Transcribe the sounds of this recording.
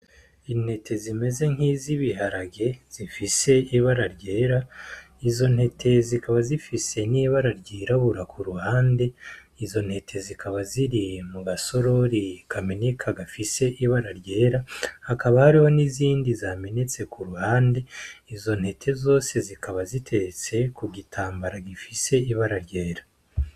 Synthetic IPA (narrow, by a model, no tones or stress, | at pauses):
in̥he̞tʰe̞zime̞ze̞ŋ̥hiziβiɦaɾaɡe̞z̥ifise̞iβaɾaɾɟeːɾa | izo̞nhe̞tʰe̞zikaβazifise̞niːβaɾaɾɟiːɾaβuɾakʰuɾuhaːnde̞ | izo̞n̥he̞tʰe̞zikʰaβaziɾimuɡaso̞ɾo̞ɾikaminikʰaɡafise̞ʔiβaɾaɾɟe̞ːɾahakaβahaɾiho̞niziːndizame̞ne̞t͡se̞kuɾuhaːnde̞izo̞nhe̞tʰe̞zo̞ːse̞zikʰaβazitʰe̞t͡se̞kuɡitʰaːmbaɾaɡifise̞iβaɾaɾɟe̞ːɾḁ